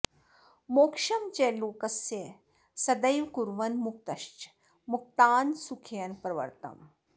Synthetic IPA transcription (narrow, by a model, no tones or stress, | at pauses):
moːkʂɐmt͡ɕeloːkɐsje | sɐd̪əjʋkuɾʋɐnmuk̚t̪ɐʃt͡ʃ | muk̚t̪aːnsukʰijɐnpɾɐʋə̰ɾt̪ɐ̰m